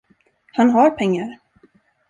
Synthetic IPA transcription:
hanɦaɾpʰɛŋːaɾ

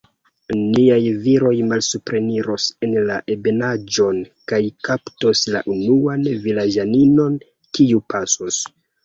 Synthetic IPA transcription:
niajviɾo̞jmalsupɾe̞niɾo̞se̞nlaʔebe̞nad͡ʒo̞nkajkaptosla̰ʔunuanvilad͡ʒanino̞n | kiupʰasos

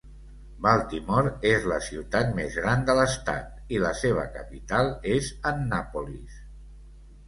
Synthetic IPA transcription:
balˠt̪imɔɾezləsiwt̪at̪̚mezɣɾand̪ələst̪a̰t̪ | iləseβ̞ə̰kə̰pit̪alˠezənːapulis

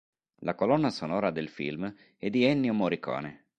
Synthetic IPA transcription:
lakolɔnːasonɔːɾad̪elfḭlm | ɛd̪iɛnːjomoɾikɔ̰ːne

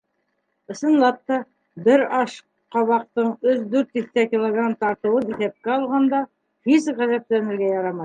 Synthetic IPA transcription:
ɤ̆sɤ̆nlˠɑp̚t̪ɑ | bɘɾɑʃ | qɑβɑq̚t̪ɤɴɵðd̪ʉɾt̪iθt̪ækʲilˠoɡɾant̪ɑɾt̪ɤ̆wɤniθæp̚kæɑlˠʁɑnd̪ɑ | fizʁæzæt̪lænɘ̆ɾɡæjɑɾɑmɑj

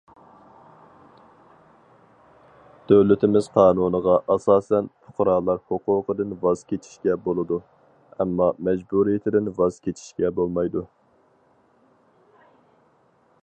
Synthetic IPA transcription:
d̪̥øwlɪt̪ʰɪmɪz̥qʰɑːnunəʁɑʔɑsɑːsɛnpʰʊ̥qʊɾɑːlˠɑɾhoqʊːqəd̪ɨnvɑz̥kʲʰet͡ʃʰi̥ʃkʲɛbolˠɨd̪u | ɛmːɑmɛd͡ʒbuɾijɪt̪ʰɪd̪ɪnvɑz̥kʲet͡ʃʰi̥ʃkʲɛbolˠmɑjd̪u

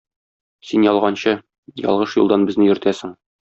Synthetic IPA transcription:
sinjɒlˠʁɑnɕɤ | jɒ̰lˠʁɤʃjṵlˠd̪ɑnbɘ̆znɘjɵ̆ɾɘ̆t̪æsɘ̆ŋ

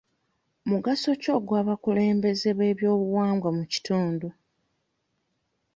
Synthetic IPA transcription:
muɡaso̞co̞ːɡwaβakule̞ːmbe̞ze̞βe̞ːβjo̞ːβuwaːŋɡwamuci̥tuːndo

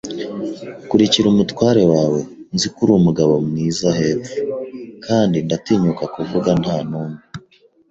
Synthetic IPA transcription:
kuɾiciɾumutwaːɾe̞waːwe̞nzikuɾuːmuɡaβo̞mŋiːzahe̞vukʰaːndindatiːɲukakuvuɡan̥haːnuːme

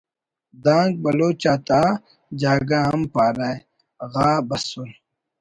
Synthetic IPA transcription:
d̪ãːŋɡ̚bɐloːt͡ɕaːt̪aː | d͡ʑaːɡaɦɐmpaːɾaːe | ɣaːbɐsul

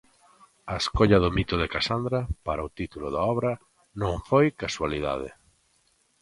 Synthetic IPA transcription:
ɐeskoʎɐðʊmit̪ʊðɪkasand̪ɾapaɾaʊt̪it̪ulʊðaɔβɾɐ | nõŋfojkaswaliða̰ð̞ɪ̰

